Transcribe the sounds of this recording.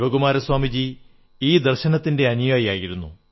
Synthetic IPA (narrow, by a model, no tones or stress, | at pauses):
bɐɣumaːɾɐswaːmid͡ʑi | iːd̪ɐrɕɐnɐt̪ːinde̞ɐnijaːjijaːjiɾunːṵ